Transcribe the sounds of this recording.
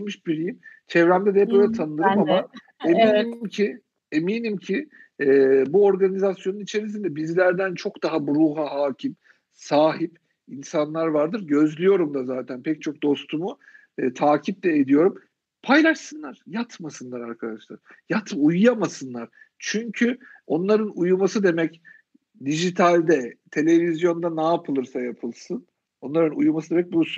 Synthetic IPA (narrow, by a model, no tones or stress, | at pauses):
mɯʃbiɾijimt͡ʃʰɛvɾæmd̪ɛd̪ɛɛpø̞jlʲɛt̪ʰanɯd̪ɯɾɯmaa | emiimcʰi | emiːnimcʰi | ɛbuo̞ɾɡanizasjo̞nunit͡ʃʰe̞ɾis̬ind̪ɛbizlʲæɾd̪ænt͡ʃʰo̞kd̪aɦabuɾuːɦaɦaːcʰim | saːɦip | insanlˠaɾvaɾd̪ɯɾɟø̞zlʲyjo̞ɾumd̪azaːt̪ʰænpʰɛc̚t͡ʃʰo̞k̚d̪o̞st̪ʰumu | t̪ʰaːcʰip̚lʲɛed̪ijo̞ɾum | pʰajlˠaʃsɯnlˠaɾ̥jat̪masɯnlˠaɾaɾkʰad̪aʃlˠa̰ɾ̥ | jat̪ujujamasɯnlˠaɾ̥ | t͡ʃʰyɲcʰyo̞nlˠaɾɯnujumasɯd̪e̞mɛc | d̪iʒit̪ʰalʲd̪ɛt̪ʰe̞lʲe̞vizjo̞nd̪anaːpʰɯlˠɯɾsajapʰɯlˠsɯn | o̞nlˠaɾɯnujumasɯd̪emɛc̚buɾusun